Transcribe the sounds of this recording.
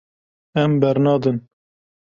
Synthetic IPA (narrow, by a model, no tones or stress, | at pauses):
ɛmbɛɾnɑːd̪ɨn